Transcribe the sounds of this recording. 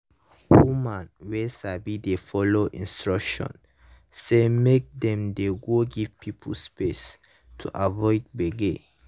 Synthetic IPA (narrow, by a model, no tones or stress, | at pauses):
wumãnwɛsabidefɔloʔḭ̃nstɹɔkʃɔ̰̃n | semek̚dɛ̃mdeɡoɡivpʰipʰulspes | tʰuʔavɔjd̚beɡe